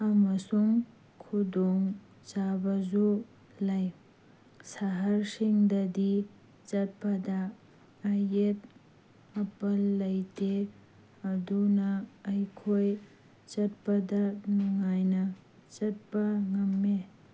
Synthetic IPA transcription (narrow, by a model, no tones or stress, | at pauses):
amɐsuŋ | kʰudɔŋ | zabɐzu | lɐj | saɦaɾsiŋdɐdi | zɐt̚pɐdɐː | jet̚ | ɐpɐlːɐjte | ɐdunɐːjkʰoj | zɐt̚pɐdɐnuŋajnɐ | zɐt̚pɐŋɐmːe